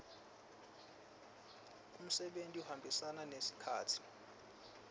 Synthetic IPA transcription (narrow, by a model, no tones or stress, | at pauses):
um̩sɛɓentʼiuhambʱisananesi̥kʰaːtʰi̥